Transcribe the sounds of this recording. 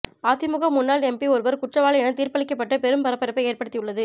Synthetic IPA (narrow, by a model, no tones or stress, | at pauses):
aːt̪ɪmʊɣɐmːʊnːaːlɛmpiɔɾɯʋɐɾkʊʈrɐʋaːɭɐɛnɐt̪iːɾpɐɭɪkːɐpːɐʈːɯpɛɾɯmpɐɾɐpːɐɾɐpːɐɪeːɾpɐɽɯt̪ːɪjɯɭːɐðɯ